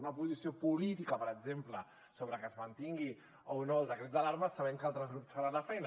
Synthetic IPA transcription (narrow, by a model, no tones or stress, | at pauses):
unɐpuzisiopulit̪ikəpəɾəɡzemplə | soβ̞ɾəkəzmənt̪iŋɡi | onoːlˠdəkɾet̪d̪əlaɾmasaβɛŋkalˠt̪ɾəzɣɾupsfaɾanlafɛjn